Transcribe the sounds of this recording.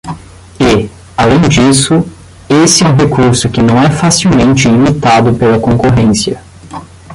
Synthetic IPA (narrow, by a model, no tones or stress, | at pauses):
ɪ | alẽj̃d͡ʒisʊ | esɪɛũɦekʰuɾsʊkɪnɐ̃w̃ɛfasiwmẽnt͡ʃɪimit̪ad̪ʊpelɐkõŋkoɦẽsjɐ